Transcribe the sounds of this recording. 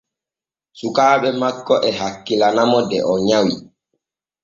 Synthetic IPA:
sukaːɓɛmakːɔʔɛɦakːilanamɔdɛʔɔɲawi

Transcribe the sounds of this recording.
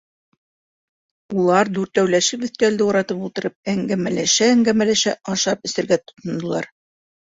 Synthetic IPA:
ulˠɑɾd̪ʉɾt̪æwlæʃɘpbɵ̆θk̪æld̪ɘuɾɑt̪ɤpulˠt̪ɤ̆ɾɤp̚æŋɡæmælæʃæːŋɡæmælæʃæʔɑʃɑpɵ̆sɘ̆ɾɡæt̪ŏ̥t̪ŏnd̪ŏlˠɑ̰ɾ

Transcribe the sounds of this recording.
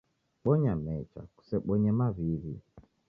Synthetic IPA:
ɓɔɲamɛt͡ʃa̰ku̥sɛɓɔɲɛmaβiβi

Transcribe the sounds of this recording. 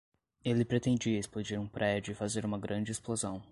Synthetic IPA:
elɪpɾet̪ẽd͡ʒiɐesplod͡ʒiɾũpɾʔɛd͡ʒʊɪfazeɾũmɐɡɾɐ̃d͡ʒɪesplozɐ̃w̃

